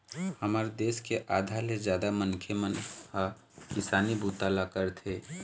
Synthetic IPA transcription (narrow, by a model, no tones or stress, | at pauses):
həməɾd̪eskeʔad̪ʱaled͡ʒjaːd̪amənkʰemənha | kisaːnibʱut̪alakəɾt̪ʰe